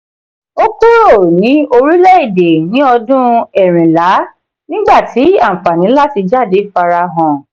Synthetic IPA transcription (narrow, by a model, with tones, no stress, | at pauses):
o˦ku˦ɾo˦˨nĩ˨˦o˧ɾi˦lɛ˦i˦˨de˨nĩ˨˦ɔ˧dũ˦ɛ˦˨ɾ̃ĩ˨la˨˦ | nĩ˦ɡ͡ba˦˨ti˨˦a˦˨fa˨nĩ˨˦la˦ti˧d͡ʒa˦˨de˨˦fa˧ɾa˧ɦɔ̃˨